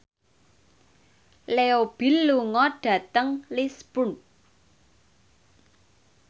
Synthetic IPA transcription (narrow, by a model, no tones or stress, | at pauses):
leob̥i̤lːuŋɔɖ̥ä̤t̪əŋlispun